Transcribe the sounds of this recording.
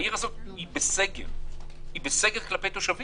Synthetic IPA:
iʁazo̞t̚ibeseɡḛʁibeseɡeʁklape̞jt̪o̞ʃavi

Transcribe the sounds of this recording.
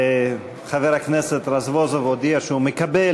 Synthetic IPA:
χaveɾhakneset̪ɾazvozovod̪iaʃeumekabe

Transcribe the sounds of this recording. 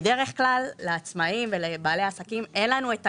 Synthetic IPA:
de̞ʁe̞χklalːeat͡smaimve̞lebaːle̞asakimenlanueta

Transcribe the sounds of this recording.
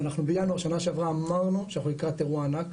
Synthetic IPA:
anaχnubejanoaʁʃanaʃeavʁaːmaʁnuʃejaχulikʁat̪ːeʁuaːnak

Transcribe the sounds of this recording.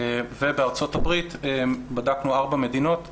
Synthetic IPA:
vebeaʁt͡so̞tabʁit̪badaknuaʁbame̞d̪ino̞t̪

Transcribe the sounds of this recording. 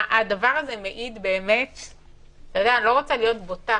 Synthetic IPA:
ʔad̪avaʁazemeʔid̪be̞ːmet̪ | t̪ojod̪ealo̞ʁot͡salijo̞t̪bot̪a

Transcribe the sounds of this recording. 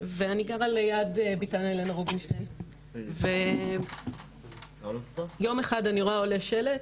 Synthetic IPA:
veaniɡaʁalejad̪ebitanalenaʁobinʃten | ve | jo̞meχadaniʁoaoleʃelet

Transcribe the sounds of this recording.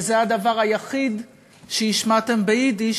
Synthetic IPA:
zead̪avaʁajaχid̪ | ʃejiʃmat̪embeid̪i

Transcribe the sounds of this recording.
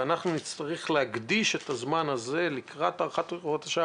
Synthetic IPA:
anaχnunit̪st͡st̪aʁiχleaɡd̪iʃet̪azmanaze̞likʁat̪aʁχat̪od̪aʃa

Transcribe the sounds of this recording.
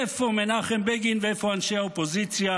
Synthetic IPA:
efomenaχembeɡinveefo̞anʃehaopozit͡sja

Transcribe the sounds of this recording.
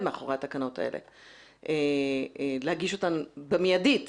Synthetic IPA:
meaχoʁetakano̞ta̰ḛlʔḛ | ʔe | lehaɡiʃo̞tanbemijadit

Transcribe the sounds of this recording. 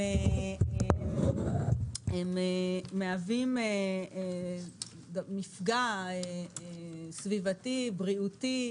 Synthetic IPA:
ee | emeːeavime | dmifɡae | svivatibʁiuti

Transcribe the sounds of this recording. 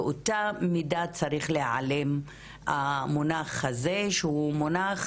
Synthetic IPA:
ʔotamidat͡saʁiχleʕa̰lem | amonaχhazeʃehumonaχ

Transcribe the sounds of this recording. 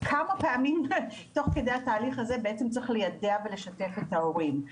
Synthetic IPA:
kʰamapeamimto̞χke̞d̪e̞jhataːliχazebeet͡semt͡sʁiχlejadeavele̞ʃate̞fe̞tao̞ʁim

